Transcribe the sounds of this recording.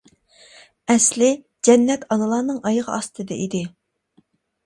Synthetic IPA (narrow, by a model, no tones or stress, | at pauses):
ɛslɪ | d͡ʒɛnːɛt̪ɑnɨlˠɑːnɨŋɑjəʁɑɑst̪ʰɨd̪ɛ̰ʔid̪ɪ